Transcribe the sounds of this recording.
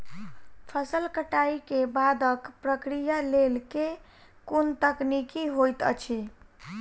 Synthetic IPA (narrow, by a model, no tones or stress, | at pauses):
pʰəsəlkəʈaikebad̪əkpɾəkɾijalelke | kont̪əknikiɦojt̪ə̰t͡ʃʰi